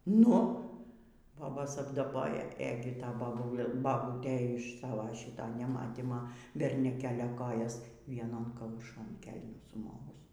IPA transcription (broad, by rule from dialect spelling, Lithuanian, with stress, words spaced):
ˈnʊ ˈboːboːs ɐbdɐˈboːjɛ ˈeːɡʲɪ ˈtɐ bɐˈbʊlˠ bɐˈbuːtʲeː ɪʃ ˈsɑːʋoː ˈʃʲiːtoː nʲɛˈmɑːtʲiːmoː bʲɛrʲnʲʊˈkʲæːlʲoː ˈkoːjɛs ʋʲiɛˈnoːn kɐʊˈʃoːn ˈkʲɛlʲnʲuː sʊˈmoːʋʊs